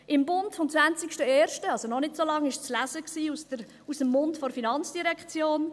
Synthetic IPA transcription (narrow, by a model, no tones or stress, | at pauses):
ʔɪmbʊntfɔmt͡sʋant͡sikʃtəeːɾʃtəɑlzonɔnɪtsoːlɑŋɪʃt͡slæzəksiːusə | usəmːʊntfɔɾfinɑnt͡sd̥iɾɛkχt͡sjoːn